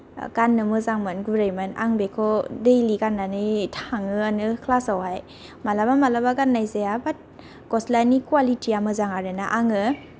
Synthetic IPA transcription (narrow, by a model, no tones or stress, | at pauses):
ɡanːɯmɯzaŋmanɡuɾajmɯna̰ŋbekʰɔdejliɡanːanɯjtʰaŋɯanɯkʰlasawɦaj | malabamalabaɡanːajzejabat̚ | kɔslanikuwalitiamɯzaŋaɾɯnaʔaŋɯ